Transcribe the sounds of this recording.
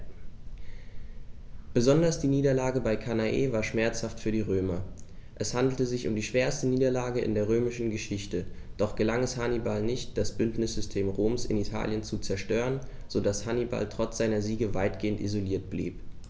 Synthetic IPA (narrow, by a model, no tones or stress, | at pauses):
b̥əzɔndɐsd̥iːniːdɐlaːɡəbaɪkʰanaʔḛːvaːɐʃmɛɐt͡shaftfyːɐdiːʁøːmɐʔɛshandl̩təzɪçʊ̰mdiːʃv̥eːɐstəniːdɐlaːɡəɪ̰ndeːɐʁ̞øːmɪʃn̩ɡəʃɪçtəd̥ɔχɡ̥əlaŋɛshanibalnɪçt̚d̥asb̥ʏntnɪsz̥ʏstʰeːmʁoːmsɪ̰nitʰa̰ːljənt͡sut͡sɛɐʃtøːʁən | z̥odashaniba̰ltʁ̥ɔt͡sz̥aɪnɐziːɡəvaɪtɡ̥eːəntʔḭzoliːɐt̚b̥lḭːp